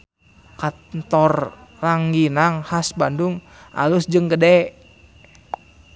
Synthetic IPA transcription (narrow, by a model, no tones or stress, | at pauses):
ka | nt̪ɔrːaŋɡinaŋhasbanduŋ | ʔa̰lusd͡ʒɨŋkədɛ